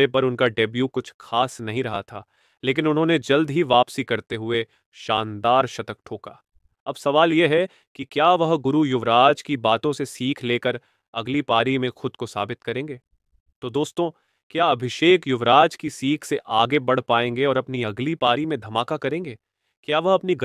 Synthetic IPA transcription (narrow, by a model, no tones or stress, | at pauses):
epɐɾʊnkaɖebjukʊt͡ʃʰxaːsnɐɦĩɾɐɦa̰t̪ʰaː | leːkɪnʊnɦõːned͡ʒɐld̪ɦiʋaːpsikɐɾt̪eɦʊe | ʃaːnd̪aːɾʃɐt̪ək̚ʈʰoːka̰ː | ɐbsɐʋaːljeɦɛ | kikjaːʋɐɦɡʊɾujʊʋɾaːd͡ʒkibaːt̪õsesiːkʰleːkəɾ | ɐɡlipaːɾimẽxʊd̪kosa̰ːbɪt̪kɐɾẽːŋɡeː | t̪oːd̪oːst̪õ | kjaːɐbʱɪʃeːkjʊʋɾaːd͡ʒkisiːkʰseʔaːɡebɐɽ̤paːẽːŋɡeɔːɾɐpniɐɡlipaːɾimẽd̪ʱɐmaːkakɐɾẽːŋɡeː | kjaːʋɐɦɐpni